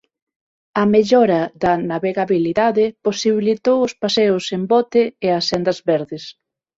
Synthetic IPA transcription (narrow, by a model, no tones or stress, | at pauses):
ɐmeʎɔɾɐðɐnaβeɣaβiliðaðɪposiβilit̪owʊspaseʊsembɔt̪eːɐsɛnd̪ɐzβɛɾðɪs